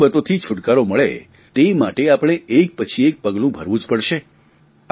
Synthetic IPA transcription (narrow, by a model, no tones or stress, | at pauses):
bət̪ot̪ʰit͡ʃʰʊʈkaɾoməɭḛ | t̪emaʈeapɽ̃eʔek̚pət͡ʃʰiek̚pəɡlũbʱəɾʋũd͡ʒpəɽʃe